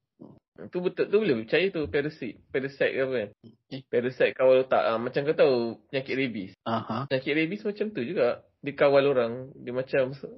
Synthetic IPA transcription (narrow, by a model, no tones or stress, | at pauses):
t̪ubət̪ət̪ubolɪbəpət͡ʃajat̪upɛɾəsiʔpɛɾəsɛt̪̚kapən | pɛɾəsɛt̪̚kawalut̪a̰ʔamat͡ʃamkat̪awpəɲakɪt̪̚ɾebisahapəɲakɪt̪̚ɾebismat͡ʃamt̪ud͡ʒuɡaʔ | dikawaloɾaŋdimat͡ʃams